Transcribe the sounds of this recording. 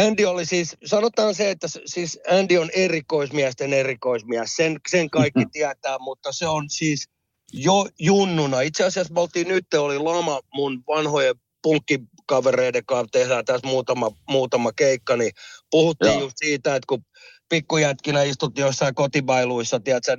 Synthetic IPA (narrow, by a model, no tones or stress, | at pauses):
ændiolisiːssɑnot̪ɑːnseet̪ːæssiːsændionerikoismiæst̪enerikoismiæssenseŋkɑikːit̪iæt̪æːmut̪ːɑseonsiːs | jojunːunɑit̪seɑsiɑsmolt̪ːiːnyt̪ːeolilɑmɑmunʋɑnhoje | puŋkːi | kɑʋereidekɑt̪ehdæːt̪æsmuːt̪ɑmɑmuːt̪ɑmɑkeikːɑnipuhut̪ːiːjjust̪siːt̪æet̪ku | pikːujæt̪kinæist̪ut̪ːiːjosːɑikot̪iʋɑiluisːɑt̪iæt̪sæ